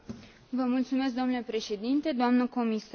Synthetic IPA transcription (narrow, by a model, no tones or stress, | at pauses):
vəmult̪sume̞s̬k̚d̪omnule̞pɾe̞ʃe̞d̪int̪e̞d̪oamnəko̞mis